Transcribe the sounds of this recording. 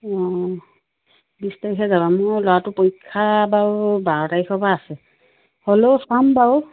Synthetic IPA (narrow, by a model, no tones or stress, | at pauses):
ɔ | bistajxɛzabamojlɔwatʊpojkʰːabawbaɹɔtajxʰɔbaːsɛ | holosambaw